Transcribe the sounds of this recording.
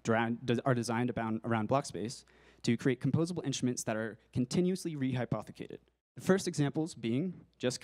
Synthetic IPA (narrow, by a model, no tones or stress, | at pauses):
ddədɨzãɪ̃ndəbãʊ̃nə̰˞ãʊ̃nblɑkspeɪs | tʰɨkʰɹ̥ieɪkʰm̩pʰoʊzəbl̩ˠɪ̃nstɹ̥əmɨ̃ntsðɨɾə˞kʰn̩tʰɪ̃njʉɨsliɹiɦaɪpʰɑθɨkʰeɪɾɨ̰d̥̚ | ðɨfɜ˞stɨɡzæ̃mpl̩ˠzbiɪ̃ŋd͡ʒʌs